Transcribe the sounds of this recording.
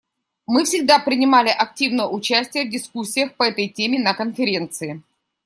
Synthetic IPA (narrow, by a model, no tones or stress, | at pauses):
mɨfsʲɪɡ̚d̪apɾʲɪnʲɪmalʲɪʔɐk̚tʲivnəjəʊt͡ɕæsʲtʲɪjəvdʲɪskusʲːɪjəxpəɛt̪əjtʲemʲɪnəkənfʲɪɾʲe̞nt̪sɨɪ